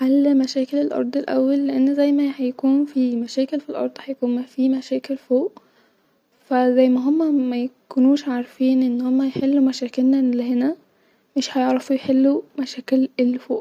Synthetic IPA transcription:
ħalːmæʃæːkelelʔɑ̰ɾˤd̪ˤelʔæ̰wːælːeʔenːzæjmæhæjkuːnfiːmæʃæːkelfilʔɑ̰ɾˤd̪ˤhæjækuːnmæfiːmæʃæːkelfoːʔ | fæzæjːmæɦomːæmæjkunuːʃʕaɾfiːnʔenːhomːæjeħelːumæʃæːkelnælehenæ | meʃhæjeʕɾɑfujħelːumæʃæːkelelːfoːʔ

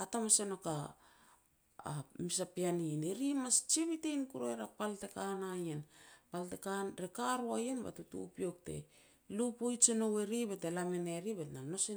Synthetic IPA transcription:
atamaseno̞ka | misapianineɾimast͡ʃiβitejnkuɾoeɾapalte̞kanajenpaltekanɾekaɾuajenba̰tutṵpio̞k̚te̞̰ | lupojt͡ʃeno̞we̞ɾibe̞telameneɾibetnano̞se

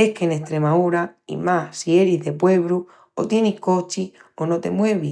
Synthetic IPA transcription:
ehkeneht̪ɾemauɾaḭmasie̞ɾiɦðe̞pwe̞βɾu | o̰t̪je̞nihko̞t͡ʃiono̞t̪e̞̰mwe̞βi

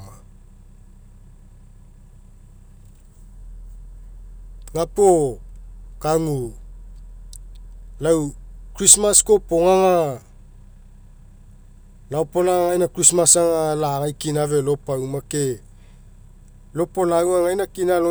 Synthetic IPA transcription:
ŋapo | kaŋu | lawkɾismasko̞po̞ŋaŋa | laopolaaŋajnakɾismasaŋalaŋajkinavelo̞pawmake̞ | lo̞po̞lawaŋajnakinalo

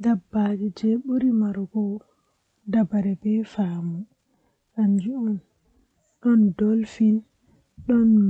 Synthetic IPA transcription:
dabːad͡ʒid͡ʒɛɓuɾimaɾɡɔ | dabaɾɛbɛfaːmu | ʔaɲd͡ʒuun | ɗɔndɔlfin | ɗɔnm

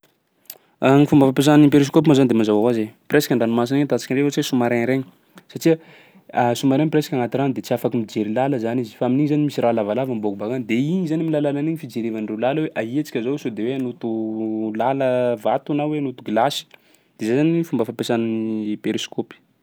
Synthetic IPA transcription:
aŋifumbəfapes̬aninip̬eɾiskop̬imazanid̪emazawawazepɾesḁkʲaɳɖ͡ʐanimas̬inet̪at͡si̥kʲiɾeot͡sesumaɾeɾeɲi | saʈ͡ʂiə | asumaɾenpɾesḁkʲaŋat̪iɾand̪et͡siafakimid͡ʒeɾilaləzanizi̥faaminiɲizanimisiɾalavalavambokubakand̪eiɲizanimilalalaniɲifid͡ʒeɾevanirelaləweʔaɦet͡si̥kʲəzowsod̪eweanut̪ulaləvat̪uanaweanut̪uɡlasi̥ | d̪̥ezajzanifumbəfapesananiiipeɾiskopi̥

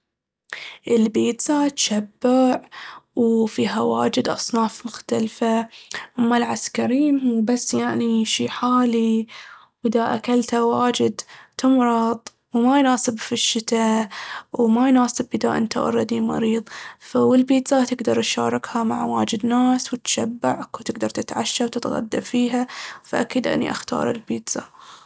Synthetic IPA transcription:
ʔɪlbiːt̪zat̪ʃabːɪʕwfiːɦawa̰ːd͡ʒɪd̪ʔɑ̰sˤnɑːfmʊxt̪alfaʔamːalʕaskaɾiːmmuːbasːjaʕniʃiːħaːli | wʔɪðaʔa̰kalt̪hawaːd͡ʒɪd̪t̪ʊmɾˤɑt̪ˤ | wmajnaːsɪbfiʃːɪt̪a | wmajnaːsɪbʔɪðaʔɪ̰nt̪a̰ʔɑ̰ɾˤɑd̪imɑ̰ɾiːðˤfawɪlbiːt̪sat̪ɪɡd̪ɑɾˤt̪ʃa̰ːɾˤɑkhama̰ʕwa̰ːd͡ʒɪd̪naːswt̪ḁʃabːaʕkwt̪ɪɡd̪ɑɾˤt̪ɪt̪ʕaʃːawt̪ɪt̪ɣa̰d̪ːa̰fiːɦafaʔakiːd̪ʔɪ̰nːḭʔaxt̪ɑ̰ːɾˤɪ̰lbiːt̪sa̰

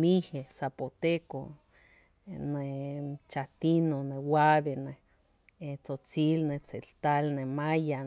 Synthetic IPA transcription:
mihesapot̪eko | net͡ʃat̪inonewaβene | et͡sot͡silnet͡selt̪alnemaja

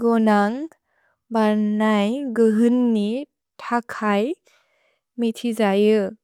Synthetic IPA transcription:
ɡɔnaŋ | baɾnajɡɯɦɯnːi | tʰakʰaj | mitʰizajɯ

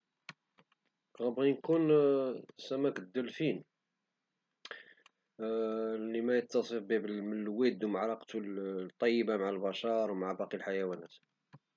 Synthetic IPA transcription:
ɣæbʁinkun | sæmækd̪ːəlfin | limæjət̪ːɑsˤəfbibəməlwid̪uwmʕɾˤɑqt̪ult̪ˤːɑjːəbamaʕalbɑʃɑɾˤwmaʕabɑqilħajæwænæt̪

